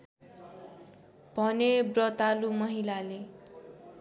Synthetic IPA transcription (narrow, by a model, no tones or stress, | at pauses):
b̥ʱʌnebrʌt̪alumʌɦilale